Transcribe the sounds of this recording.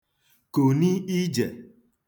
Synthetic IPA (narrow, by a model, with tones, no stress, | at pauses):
ko˨ni˦i˦d͡ʒe˨